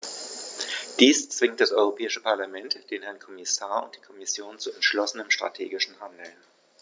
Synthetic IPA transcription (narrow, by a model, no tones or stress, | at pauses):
d̥iːst͡sv̥ɪŋtd̥asʔɔʏʁopʰɛːɪʃəpʰaɐlamɛntd̥eːnhɛɐnkʰɔmɪsaːɐʊ̰ntd̥iːkʰɔmɪsjoːnt͡suɛntʃlɔsənəmʃtʁ̥a̰tʰeːɡɪʃn̩handl̩